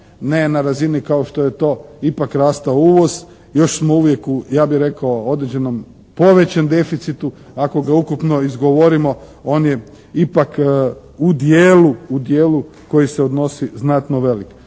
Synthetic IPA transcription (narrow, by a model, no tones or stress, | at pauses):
nenaɾazinikaoʃt̪o̞jet̪o̞ːipakɾaːst̪aouʋo̞z̥ | jo̞ʃsmo̞uʋje̞kujaːbixɾe̞kaoo̞d̪ɾed͡ʑe̞no̞m | po̞ʋe̞t͡ɕemd̪e̞fit̪sit̪u | ako̞ɡaukupno̞izɡo̞ʋo̞ɾimo̞ | o̞ːnje | ipak | ud̪jeːluud̪jeːlu | ko̞jiseo̞d̪no̞siznat̪no̞ʋe̞lik